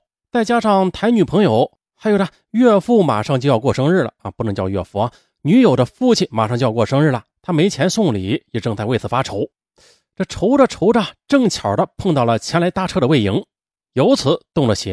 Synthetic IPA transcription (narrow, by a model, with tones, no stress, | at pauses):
t͡sa˥˩ɪt͡ɕja˥ʂɑ˥˩ŋt̪ʰa˧˥ɪny˨˩pʰɤ˧˥ŋjo˨˧˩ʊ | xa˧˥ɪjo˨˩na˧˩ | ɥɛ˥˧fu˥˩ma̰˨˩ʂɑ˥˧ŋt͡ɕjʊjɑ˥˧ʊkwɔ˥˩ʂɤ˥ŋɻɻ̩˥˩lə̰˩˧pu˥˩nɤ˧˥ŋt͡ɕjɑ˥˧ʊɥɛ̰˥˧fu˥˩ɐ˩ | ny˧˥jo˨˩ʊd̪ə˦fu˥˩t͡ɕʰi˨˩nma˨˩ʂɑ˥˧ŋt͡ɕo˥˧jkwɔ˥˩ʂɤ˥ŋɻ̩˥˩lɐ˩t̪ʰa˥me˧˥ɪt͡ɕʰjɛ˧˥nsʊ˥˩ŋli˨˩˦jɛ˨˩ʈ͡ʂɤ˥˧ŋt͡sa˥˧we˥˩ɪt͡sʰɹ̩˨˩fa˥ʈ͡ʂʰo˧˥ʊ | ʈ͡ʂɤ˥˩ʈ͡ʂʰo˧˥ʊdə˧ʈ͡ʂʰo˧˥ʊʈ͡ʂə˧ʈ͡ʂɤ˥˩ŋt͡ɕʰjɑ˨˩d̪ə˦pʰɤ˥˧ŋt̪ɑ˥˩ʊlə˩t͡ɕʰjɛ˧˥nla˧˥ɪt̪a˥˧ʈ͡ʂʰɤ˥˩ɾə˨˧we˥˩ɪi˧˥ŋ | jo˧˥ʊt͡sʰɹ̩˨˩˦t̪ʊ˥˩ŋlə˩ɕi˧˥